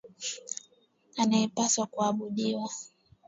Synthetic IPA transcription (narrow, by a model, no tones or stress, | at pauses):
anajɛpaswakuaɓuɗiwa